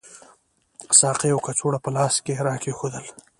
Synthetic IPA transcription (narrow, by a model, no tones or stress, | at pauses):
sɑːqewkat͡soɽapəlɑːskeɾɑːkexoːd̪əl